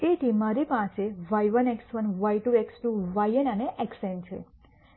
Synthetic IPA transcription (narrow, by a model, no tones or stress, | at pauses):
et̪ʰimaɾipãt͡ʃeʋajʋəneksʋənʋajʈueksʈuʋajenəneʔɛksent͡ʃʰḛ